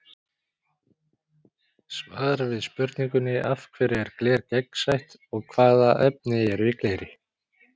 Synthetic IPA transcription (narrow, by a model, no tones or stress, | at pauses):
svaːðɾavɪðspʏɾt̪niŋkʏnːɪʔafkʰvɛɾɪɛɾklɛːɾcɛksajht̪ | ɔɣkʰvaːðaʔɛp̚nɪɛɾvɪkleːjɾɪ